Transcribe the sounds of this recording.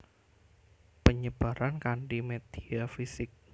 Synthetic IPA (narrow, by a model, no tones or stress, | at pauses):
pəɲəb̥a̤ɾankaɳɖimed̪̥iafisɪk̚